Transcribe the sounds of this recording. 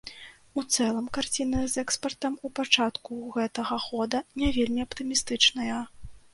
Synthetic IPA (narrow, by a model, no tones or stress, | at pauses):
ut̪sɛlˠɐmkart͡sʲinɨzɛkspɐrt̪ɐmupat͡ʂat̪kuɣɛt̪ɐɣɐxɔd̪ɐnʲavʲelʲmʲiɐpt̪ɨmʲist̪ɨt͡ʂnɐjɐ